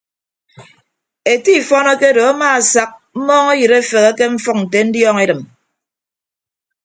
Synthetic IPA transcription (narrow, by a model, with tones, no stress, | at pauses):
e˨ti˦˨fɔ˦nɔ˦ke˦do˨a˦maː˦a˨sa˦k̚m̩˦mɔː˦ŋe˦jɨ˨ɾe˦fe˨ɣe˦ke˦ɱ̩˦fɔ˦k̚n̩˨t̬e˨n̩˦djɔː˦ŋe˦dɨ˨m